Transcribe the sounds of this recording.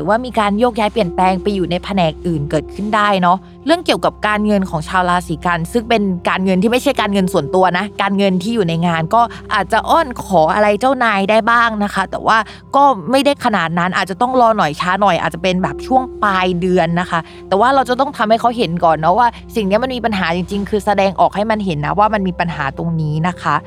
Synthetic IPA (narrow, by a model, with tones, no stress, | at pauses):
ɾɯː˨˩˦waː˥˩miː˧kaː˧njoː˥˩k̚jaː˦˥jpli˨˩ənplɛː˧ŋpa˧jːuː˨˩na˧jpʰa˧nɛː˨˩k̚ʔɯː˨˩nkɤː˨˩t̪̚kʰɯ˥˩ndaː˥˩jnɔ˦˥ | ɾɯ˥˩əŋki˨˩əwka˨˩p̚kaː˧nŋɤ˧nkʰɔː˩˦ŋt͡ɕʰaː˧wlaː˧siː˩˦ka˧nsɯ˥˩ŋpe˧nkaː˧nŋɤ˧nt̪ʰiː˥˩ma˥˩jt͡ɕʰa˥˩jkaː˧nŋɤ˧nsu˨˩ənt̪u˧ɐna˦˥kaː˧nŋɤ˧nt̪ʰiː˥˩juː˨˩na˧jŋaː˧nkɔː˥˩ | ʔaː˨˩t̪̚t͡ɕa˨˩ʔɔː˥˩nkʰɔː˩˦ʔa̰˧ɾa˧jt͡ɕaː˥˩wnaː˧jdaː˥˩jbaː˥˩ŋna˦˥kʰa˦˥t̪ɛ̰ː˨˩waː˥˩ | kɔː˥˩ma˥˩jda˥˩jkʰa˧naː˨˩t̪̚na˦˥nʔaː˨˩t̪̚t͡ɕa˨˩t̪ɔ˥˩ŋɾɔː˧nɔ˨˩jt͡ɕʰaː˦˥nɔ˨˩jʔa̰˨˩t̪̚t͡ɕa˨˩pe˧nbɛː˨˩p̚t͡ɕʰu˥˩əŋplaː˧jdɯ˧ənːa˦˥xʰa˦˥ | t̪ɛː˨˩waː˥˩ɾa˧wt͡ɕa˨˩t̪ɔ˥˩ŋt̪ʰa˧mha˥˩jkʰa˦˥wɦe˨˩˦nkɔː˨˩nːɔ˦˥waː˥˩ | si˨˩ŋni˦˥ma˧nmiː˧pa˧nɦaː˩˦t͡ɕi˧ŋt͡ɕi˧ŋkʰɯː˧sa˧dɛː˧ŋʔɔ̰ː˨˩k̚ha˥˩jma˧nɦe˩˦nːa̰˦˥waː˥˩ma˧nmiː˧pa˧nɦaː˩˦t̪o˧ŋniː˦˥na˦˥kʰa˦˥ʔ